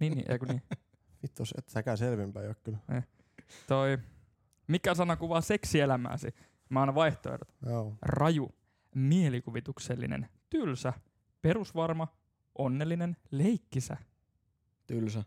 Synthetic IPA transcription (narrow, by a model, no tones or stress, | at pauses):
niːnːḭːʔḛkuniː | fit̪ːosḛt̪sækæselʋimb̥æjokkyle | t̪oi | mikːæsɑnɑkuʋɑse̞ksielæmæ̰ːsḭ | mɑɑˑnɑʋɑiht̪o̰ḛɾo̰t̪joːrɑju | mielikuʋit̪ukselːḭnḛnt̪ylsæ | pe̞ɾusʋɑrmɑ | ʔo̞nːelːine̞nle̞ikːisæ̰ | t̪ylsæ